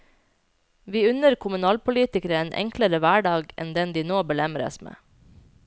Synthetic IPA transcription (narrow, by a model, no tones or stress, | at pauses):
ʋiːʉnəɾkʰʊmʉnɑːlpʰʊliːt̪ɪkəɾəeːnʔɛ̰ŋkləɾəʋæːɖɑːɡʔɛ̰nd̪ɛnd̪iːnoːbəlɛmɾə̰smḛː